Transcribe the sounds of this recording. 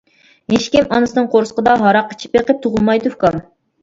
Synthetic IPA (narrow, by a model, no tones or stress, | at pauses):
heʃkʲimɑnɨsɨnɨŋqʰoɾsqəd̪ɑɦɑɾɑqːə̥t͡ʃʰi̥peqəp̚t̪ʰuʁʊlˠmɑjd̪ufkɑm